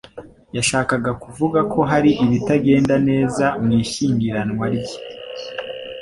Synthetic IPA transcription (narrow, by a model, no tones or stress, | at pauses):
jaʃaːkaɡakuvuɡakʰo̞ɦaɾiʔiβitaɡe̞ːndane̞ːzamŋiːʃiːŋɡiɾanŋwaɾɟi